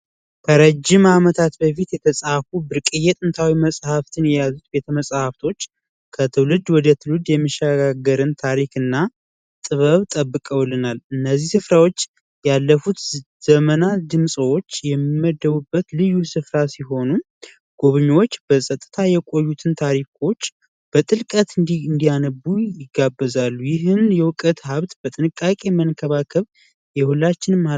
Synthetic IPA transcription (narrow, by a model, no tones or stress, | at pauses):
kʰəɾəd͡ʒːɪmamət̪ʰat̪bəfit̪jɛt̪ʰəsʼafubɨɾkʼɨjɛt̪ʼɨnt̪ʰawiməsʼhaft̪ʰɨnjɛjazut̪be̞t̪ʰəməsʼhaft̪ʰo̞t͡ʃː | kʰət̪ʰɨwlɨd̪wɔd̪ət̪ʰɨwɨd̪jɛmːɨʃəɡaɡəɾɨnt̪ʰaɾikɨnːa | t̪ʼɨβəβt̪ʼəbːɨkʼəwlɨnalɨnːəzːihsɨfɾawo̞t͡ʃː | jalːəfut̪ | z̥əmənad̪ɨmsʼwot͡ʃːjɛmːimːəd̪ːəβubːət̪lɨjːusɨfɾasiɦo̞nu | ɡ̥oβɨɲːwo̞t͡ʃːbəsʼət̪ʼːɨt̪ʰajɛkʼo̞jːut̪ʰɨnt̪ʰaɾikʰo̞t͡ʃː | b̥ət̪ʼɨlkʼət̪ɨnd̪iɨnd̪ijanəbujɪɡabːəzalːujɪɦɨnjɛwʊkʼət̪ɦaβt̪b̥ət̪ʼɨnɨkʼːakʼe̞mənkʰəβakʰəβ | jɛhulːat͡ʃːɪnɨmːa